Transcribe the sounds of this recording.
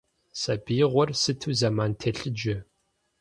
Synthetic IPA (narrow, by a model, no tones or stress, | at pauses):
sɐbiːʁʷɔrsɨtʰuwzɐmaːntʰeɬɨd͡ʒɪ